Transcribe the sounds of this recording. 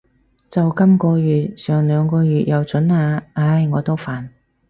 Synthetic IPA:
t͡sɐ˨wkɐ˥mkɔː˧ɥyː˨t̚sœː˨˧ŋlœː˨˧ŋkɔː˧ɥyː˨t̚jɐ˨˧wt͡sɵ˨˥naː˨˧aː˧˥jŋɔː˨˧t̪o˥wfaː˨n

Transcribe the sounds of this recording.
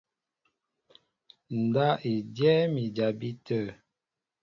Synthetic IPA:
n̩˨da˦e˨djɛ˦mi˨d͡ʒa˨bi˦tə˦˨

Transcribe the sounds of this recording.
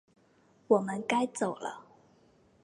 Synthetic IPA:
wɔ˨˩mə˦nka˥ɪt͡so˨˩ʊlə̰˦

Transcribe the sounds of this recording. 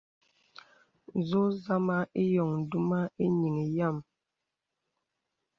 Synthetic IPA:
zo˦za˦ma˦e˦jɔ˨ŋn̩˨du˦ma˦e˦ɲi˨ŋe˨ja˦˨m

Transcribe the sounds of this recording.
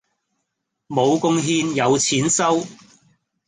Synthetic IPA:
mo˨˧wkʊ˧ŋɦiː˧njɐ˨˧wt͡sʰiː˨˥nsɐ˥w

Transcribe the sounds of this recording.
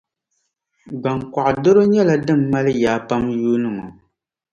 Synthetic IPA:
ɡ͡ba˨ŋka˨ʔdo˦ɾo˦ɲɛ˦la˨dɨ˦˨mːa˦lɨ˦jaː˨˦pa˦mjuː˦nɨ˨ŋo˨

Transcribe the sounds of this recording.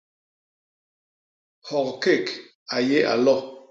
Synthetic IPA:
hɔ˨kke˦˨k | a˨je˦ʔa̰˨lɔ˦˨

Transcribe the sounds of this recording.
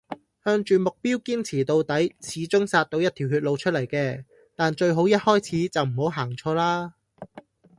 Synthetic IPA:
hœː˧ŋt͡ʃyː˨˩mʊ˨k̚piː˥wkiː˥nt͡sʰiː˨˩t̪o˨wt̪ɐ˨˥jt͡sʰiː˨˥t͡ʃʊ˥ŋsaː˧t̚t̪o˨˥wjɐ˥t̪ʰiː˨˩wɦyː˧t̚lo˨˧wt͡ʃʰt̚lɐ˨˩jkɛː˧ | t̪aː˨nt͡ʃɵ˧ɥɦo˨˥wjɐ˥t̚hɔː˥jt͡sʰiː˨˥t͡sɐ˨wm̩˨˩ho˨˥wɦaː˨˩ŋt͡ʃʰɔː˧laː˥

